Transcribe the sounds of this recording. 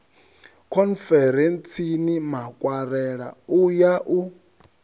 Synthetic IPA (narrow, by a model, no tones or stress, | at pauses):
kʰɔnfɛɾɛnt͡sʰinimakʼwaɾɛɺa̰ujaʔu